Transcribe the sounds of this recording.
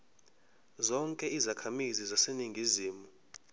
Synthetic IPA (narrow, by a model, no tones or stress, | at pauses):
zɔŋkʼɛizakʰamizizaseniŋɡʱiziːmu